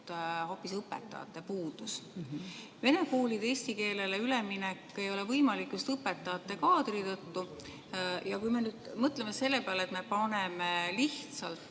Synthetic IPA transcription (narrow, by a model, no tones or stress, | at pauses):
ho̞ːpːisɤpːḛt̪ˑːɑ̰ɑ̰t̪ːˑe̞puːd̪̥us | ve̞ne̞kuːlid̪̥e̞ːsʲt̪ike̞ːle̞leyleminekːˑe̞jo̞le̞vɤjmɑlikːjust̪ɤpːe̞t̪ːˑɑɑt̪ːe̞kɑːd̪̥rit̪ɤt̪ːu | jɑkujme̞nyːd̪̥mɤt̪le̞me̞se̞lːepeɑle̞t̪me̞pɑnemeliht̪sɑlt̪